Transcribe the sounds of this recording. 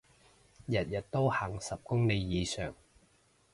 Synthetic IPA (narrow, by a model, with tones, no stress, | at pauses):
jɐ˨t̚jɐ˨˩t̚t̪o˥wha˨˩ŋsɐ˨p̚kʊ˥ŋne˨˧jːiː˨˧sœ̰ː˨˩ŋ